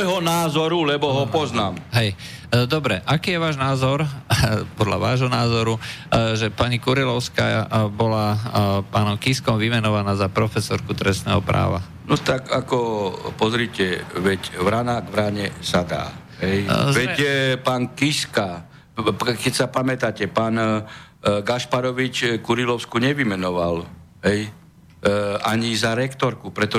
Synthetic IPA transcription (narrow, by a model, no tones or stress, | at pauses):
jɦɔnaːzɔɾulɛbɔɦɔpɔznaːmɦɛj | d̪ɔbɾɛʔakiːjɛʋaːʒnaːzɔɾpɔd̪laʋaːʒɦɔnaːzɔɾuʒɛpaɲikuɾilɔʊskabɔlapaːnɔmkiskɔmʋimɛnɔʋanaːzapɾɔfɛsɔɾkut̪ɾɛsnɛːɦɔpɾa̰ːʋa | nɔt̪akakɔpɔzɾiːcɛʋɛcʋɾanaːɡʋɾaɲɛsad̪a̰ː | ɦɛjʋɛcpaːnkiska | kɛcsapamɛt̪acɛpaːn | ɡaʃpaɾɔʋit͡ʃkuɾilɔʊskuɲɛʋimɛnɔʋalɦɛj | aɲizaɾɛkt̪ɔɾkupɾɛt̪ɔ